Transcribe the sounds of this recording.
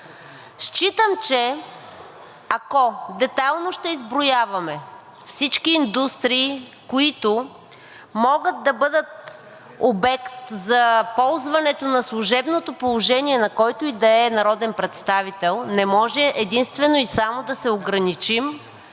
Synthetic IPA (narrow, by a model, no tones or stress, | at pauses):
ʃt͡ʃit̪əmt͡ʃɛ | ɐkɔd̪ɛt̪alˠnoʃt̪ɛizbɾojavɐmɛ | fsit͡ʃkiːnd̪ust̪ɾiː | koit̪o | mɔɡət̪̚d̪ɐbɤd̪ət̪̚ | obɛkt̪zɐpɔlˠzvɐnɛt̪onɐslˠʊʒɛbnot̪opolˠoʒɛniɛnɐkɔjt̪ʊid̪ɐɛnɐɾɔd̪ɛnpɾɛt̪st̪avit̪ɛlˠnɛmɔʒɛʔɛd̪inst̪vɛnoisamod̪ɐsɛoɡɾɐnit͡ʃim